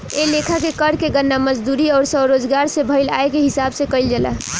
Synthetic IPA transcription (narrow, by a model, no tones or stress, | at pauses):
elekʰakekəɾkeɡənːaməd͡ʒd̪uːɾiɔːɾsəɾoːd͡ʒɡaːɾsebʱəɪla̰ːekeɦɪsaːbsekəɪld͡ʒəla̰